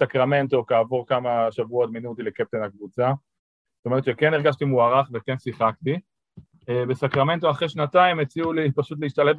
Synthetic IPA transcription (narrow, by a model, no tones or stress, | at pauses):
sakʁame̞nt̪o̞kaːvo̞ʁkamaʃavuotminutilekep̚t̪enakvut͡sa | ztoe̞ʁet̪ʃekeneʁɡaʃt̪imuaʁaχveke̞nsiχak̚t̪i | ebesakʁame̞nt̬oaχʁeʃnataimet͡siulipaʃut̪̬leiʃt̪alef